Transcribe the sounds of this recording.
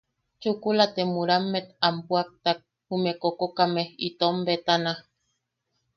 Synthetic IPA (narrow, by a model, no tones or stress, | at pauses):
t͡ʃukulat̪emuɾamːet̪ampuak̚t̪ak̚ | humekokokameit̪ombet̪ana